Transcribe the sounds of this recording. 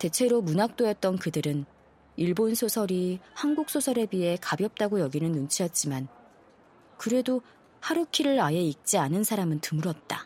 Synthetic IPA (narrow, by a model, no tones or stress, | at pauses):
te̞t͡ɕʰe̞ɾomunak̚t͈ojʌt̚t͈ʌnkɯdɯɾɯn | iɭbonsʰosʰʌɾihanɡuk̚s͈ʰosʰʌɾe̞biɦe̞kabjʌp̚t͈aɡojʌɡinɯnːunt͡ɕʰiʌt̚t͡ɕ͈iman | kɯɾe̞do | haɾukʰiɾɯɾajeik̚t͡ɕ͈ianɯnsʰaɾamɯntɯmuɾʌt̚t͈a